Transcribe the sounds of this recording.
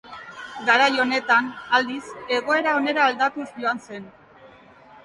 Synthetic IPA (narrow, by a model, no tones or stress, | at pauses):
ɡaɾajo̞ne̞t̪anald̪ise̞ɣo̞e̞ɾao̞ne̞ɾaːld̪at̪uzʎo̞anse̞n